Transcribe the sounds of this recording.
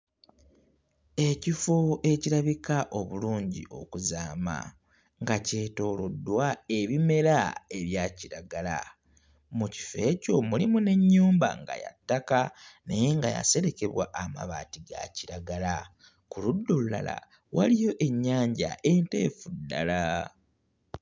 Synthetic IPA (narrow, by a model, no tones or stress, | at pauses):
e̞cifoʔe̞ciɾaβikaʔo̞βuluːɲɟḭʔo̞̰kuzaːma̰ | ŋɡace̞ːto̞ːlodːwae̞βime̞ɾae̞βjaːciɾaɡala̰ | muci̥fe̞ːco̞mulimune̞ɲːuːmba̰ŋɡa̰jatːakaneje̞ŋɡaja̰se̞ɾe̞ke̞βwa̰ʔama̰βaːtiɡa̰ciɾaɡala | kuludːolula̰la̰ | walijo̞ʔe̞ɲːaːɲɟa̰ʔe̞nte̞̰ːfudːa̰la